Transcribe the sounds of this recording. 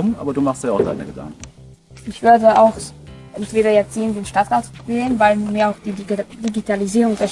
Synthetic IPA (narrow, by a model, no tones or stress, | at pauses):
mnʔa̰ːbɐduːmaχstjaʊxd̥a̰ɪnəɡəda̰ŋkŋ̩ | ʔɪçv̥ʏɐdəaʊxʔɛntv̥eːɾɐɛɐt͡siːəndeːnʃtatʁ̥aːtt͡sveːənvaɪlmiːɐaʊxd̥iːd̥iɡitʰaliziːʁʊŋdɛɐ